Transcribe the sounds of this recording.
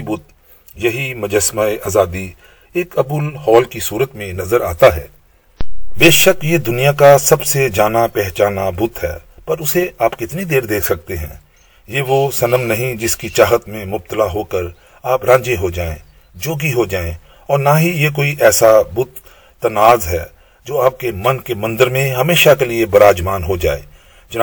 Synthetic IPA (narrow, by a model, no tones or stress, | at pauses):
bʊt̪̚ | jɐɦimɐd͡ʒəsmaːeʔaːzaːd̪i | eːkɐbʊlhɔːlkisuːɾət̪mẽnɐzəɾa̰ːt̪aɦɛ̰ː | beːʃəkjed̪ʊnijakasɐbsed͡ʒaːnapɛɦt͡ʃaːnabʊt̪ɦɛ̰ːpɐɾʊseʔaːpkɪt̪nid̪eːɾd̪eːkʰsɐk̚t̪eɦɛ̰̃ː | jeːʋosɐnəmnɐɦĩd͡ʒɪskit͡ʃaːɦət̪mẽmʊb̚t̪əlaɦoːkəɾ | aːpɾãːd͡ʒeɦod͡ʒaːḛ̃ | d͡ʒoːɡiɦod͡ʒaːẽ | ɔːɾnaɦijek̬oːiʔɛːsabʊt̪ː | ɐnaːzɦɛː | d͡ʒoːaːp̚kemɐnkemɐ̃nd̪əɾmẽɦɐmeːʃakeliebɐɾaːd͡ʒmaːnɦod͡ʒa̰ːḛː | d͡ʒɐnː